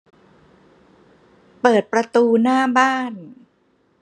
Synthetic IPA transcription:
pɤː˨˩t̪̚pɾa˧t̪uː˧naː˥˩baː˥˩n

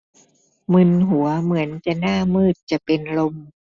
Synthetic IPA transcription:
mɯ˧˩nɦu˩˦ɐmɯ˩˦ənt͡ɕa˨˩naː˥˩mɯː˥˩t̪̚t͡ɕa˨˩pe˧nlo˧m

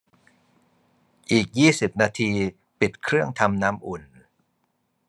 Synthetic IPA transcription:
ʔiː˨˩k̚jiː˥˩si˨˩p̚naː˧t̪ʰiː˧ | pi˨˩t̪̚kʰɾɯ˥˩əŋt̪ʰa˧mnaː˦˥mʔu˨˩n

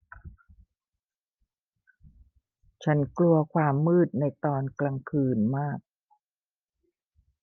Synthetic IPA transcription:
t͡ɕʰa˦˥nklu˧ɐkʰwaː˧mːɯː˥˩t̪̚na˧jt̪ɔː˧nkla˧ŋkʰɯː˧nmaː˥˩k̚

